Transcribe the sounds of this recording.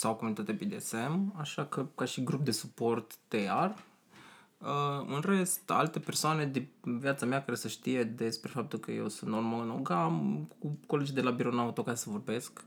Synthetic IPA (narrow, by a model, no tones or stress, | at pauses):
sawkomunit̪at̪ʲepid̪ese̞maʃakəkaʃiɡɾup̚d̪e̞supo̞rt̪ːear | əɨnre̞st̪a̰lt̪e̞pe̞rsoane̞d̪ivjat̪sameakaɾe̞səʃt̪ije̞d̪e̞spɾe̞fap̚t̪ulkəje̞̰wsunt̪normalɨno̰ɡamkuko̞led͡ʒid̪e̞labiɾo̞naut̪o̞kasesəvo̞rbe̞sk